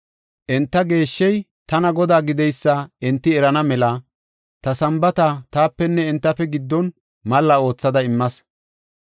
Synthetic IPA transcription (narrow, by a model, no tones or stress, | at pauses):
ʔɛnt̪ːɐɡe̞ːʃːɛj | t̪ɐnɐɡɔd̪aːɡɪd̪ɛjsːɐɛnt̪ːɪɛɾɐnɐmɛlɐ | t̪ɐsɐmbɐt̪ɐt̪aːpːɛnːɛɪnt̪ːɐfɛɡɪd̪ːɔn | mɐlːɐo̞ːt͡sːɐd̪ɐɪmːɐs